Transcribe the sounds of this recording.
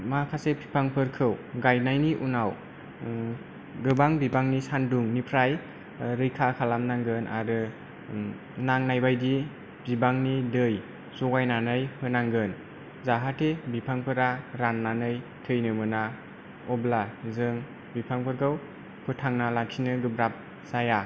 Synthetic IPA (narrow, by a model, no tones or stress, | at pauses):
makʰasepʰi̥pʰaŋpʰɯɾkʰɯwɡajnajniʔunaw | ɡɯbaŋbibaŋnisanduŋnipʰɾaj | ɾɯjkʰakʰalamnaŋɡɯnʔa̰ɾɯ | naŋnajbajdi | bibaŋnidɯj | sɔɡajnanɯjpʰɯnaŋɡɯn | zaɦatʰebipʰaŋpʰɯɾaɾanːanɯjtʰɯjnɯmɯna | ɔblazɯŋ | bipʰaŋpʰɯɾɡɯw | pʰɯtʰaŋnalaksʰinɯɡɯbɾap̚ | z̥aja